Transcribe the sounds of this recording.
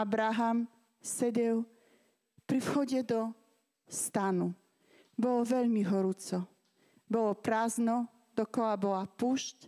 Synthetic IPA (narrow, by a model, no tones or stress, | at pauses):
abɾaɦam | sɛɟɛl | pɾifxɔɟɛd̪ɔ | st̪anu | bɔlɔʋɛʎmiɦɔɾut͡sɔ | bɔlɔpɾaːznɔ | d̪̥ɔkɔlabɔlapuʃc